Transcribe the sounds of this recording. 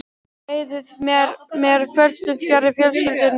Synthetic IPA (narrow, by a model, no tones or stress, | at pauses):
eːjðɪðmmɛɾfɛlst̪ʏfjarɪfjɛlskʏɪlt̪ɪn